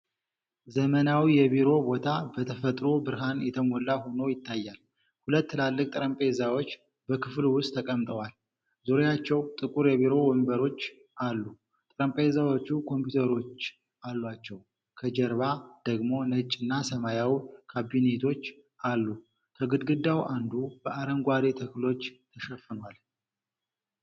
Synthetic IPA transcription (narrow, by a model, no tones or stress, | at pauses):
zəmənawijɛβiɾo̞bo̞t̪ʰabət̪ʰəfət̪ʼɾo̞bɨɾɦanjɛt̪ʰəmɔlːaho̞nojɪt̪ʰːajːal | hulət̪ːɨlalːɨk̚ʼt̪ʼɨɾəmpʼezawo̞t͡ʃː | bəkʰɨflwʊst̪ːʰəkʼəmt̪ʼəwal | zuɾjat͡ʃːɛwt̪ʼɨkʼuɾjɛβiɾo̞wɔmbəɾo̞t͡ʃː | ʔalːu | t̪ʼɨɾəmpʼezawot͡ʃːukʰo̞mpjut̪ʰəɾo̞t͡ʃː | ʔalːat͡ʃːɛw | kʰəd͡ʒəɾβad̪̥əɡmo̞nət͡ʃʼːɨnːasəmajawkʰabine̞t̪ʰo̞t͡ʃː | ʔalːu | kʰəɡɨd̪ɡɨd̪ːawʔand̪ubəʔaɾəŋɡʷad̪et̪ʰəklo̞t͡ʃːt̪ʰəʃəfɨnwal